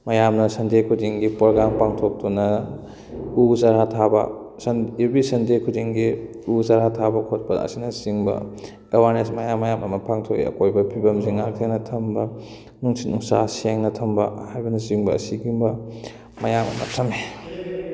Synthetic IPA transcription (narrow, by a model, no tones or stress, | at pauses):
mɐjamnɐsɐndekʰudiŋɡipɾoɡɾampaŋtʰok̚tunɐ | uzaɾatʰabɐ̰ | sɐniɾbisɐndekʰudiŋɡi | uzaɾatʰabɐkʰot̚pɐɐ̰sinɐziŋbɐ̰ | ewaɾnesmɐjamːɐjamɐmɐpʰaŋtʰok̚ḭɐ̰kojbɐpʰibɐmziŋːaɾtʰenɐtʰɐmbɐ | nuŋsit̚nuŋsasieŋnɐtʰɐmbɐ̰hajbɐnɐziŋbɐɐ̰siɡimbɐ | mɐjamɐ̰mɐ̰tʰɐme